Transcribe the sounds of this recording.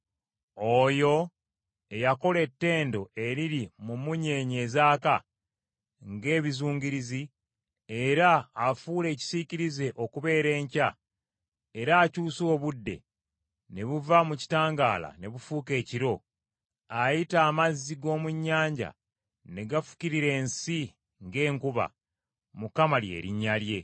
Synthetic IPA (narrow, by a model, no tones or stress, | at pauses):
o̞jo̞ | e̞jako̞le̞tːe̞ːndo̞̰e̞ɾiɾimumuɲe̞ːɲe̞ːzaːka | ŋɡe̞ːβizuːɲɟiɾizi | e̞ɾaːfuːle̞ːci̥siciɾize̞ʔo̞kuβe̞ːɾe̞ːɲca | e̞ɾaːcuːsoːβudːe̞̰ | ne̞βuvamuci̥taːŋɡa̰ːla̰ne̞βufuːke̞ːciɾo̞ | ajitaːmazːiɡo̞ːmuɲːaːɲɟa̰ | ne̞ɡafu̥ciɾiɾe̞ːnsi | ŋɡe̞ːŋkuβa̰ | mukamalje̞̰ːɾḭɲːalje̞